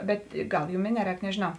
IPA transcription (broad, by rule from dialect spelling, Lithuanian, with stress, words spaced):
ˈbʲɛt ˈɡɐlˠ ˈjuːm ɪ ˈnʲæːˌrʲɛːk nʲɛʒʲeːˈnɐʊ